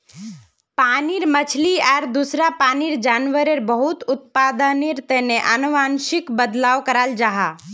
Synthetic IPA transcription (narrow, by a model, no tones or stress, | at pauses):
paːniɾmət͡ʃʰliɛːɾd̪usɾapaːniɾd͡ʒaːnʋəɾeɾbəɦʊt̪ʊt̪̚paːd̪aniɾt̪ɛɦneʔənuʋaːnʃɪkbəd̪laːʋkəɾaːld͡ʒaɦaː